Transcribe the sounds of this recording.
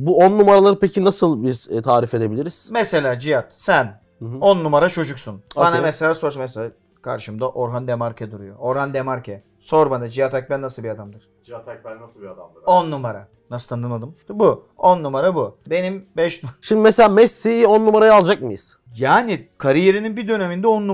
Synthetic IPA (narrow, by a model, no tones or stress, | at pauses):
buonːumaɾalˠaɾɯpʰecʰinasɯlˠbizt̪ʰaːɾife̞d̪e̞bilʲiɾiz̥mɛse̞lʲaːd͡ʒijat̪sæn | onːumaɾat͡ʃʰo̞d͡ʒuksunbanamɛselʲaːsoɾsamɛselʲaː | kʰa̰ɾʃɯmd̪aʔoɾɦand̪emaɾcʰɛd̪uɾujooɾɦand̪emaɾcʰɛ | so̞ɾbanad͡ʒijat̪ʰak̚bɛnːasɯlˠbiad̪amd̪ɯɾ̥ | at̪ak̪ad̪aonːumaɾa | nasɯ̥t̪ʰand̪ɯnad̪ɯmbu | onːumaɾabube̞nimbɛʃnuʃimd̪imeselʲaːmɛsːionːumaɾajalˠd͡ʒak̚mɯjɯz̥ | jaːnikʰaɾije̞ɾininbid̪ø̞ne̞mind̪ɛo̞nːu